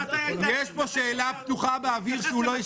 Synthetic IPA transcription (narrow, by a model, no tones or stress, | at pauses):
jeʃpo̞ʃe̞ːlapt̪uχabeaviʁʃeulo̞je